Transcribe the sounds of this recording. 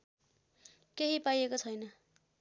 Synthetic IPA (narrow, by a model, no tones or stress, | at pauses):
keɦipajekot͡sʰʌjnʌ